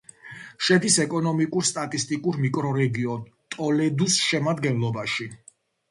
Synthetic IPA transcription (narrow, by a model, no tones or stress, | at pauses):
ʃɛd̪isɛkʼɔnɔmikʼuɾst̪ʼat̪ʼist̪ʼikʼuɾmikʼɾɔɾɛɡiɔnt̪ʼɔlɛd̪usʃɛmad̪ɡɛnlˠɔbaʃi